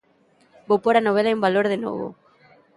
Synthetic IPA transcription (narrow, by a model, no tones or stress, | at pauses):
bowpoɾanoβ̞elaumbaloɾðeno̰βo̰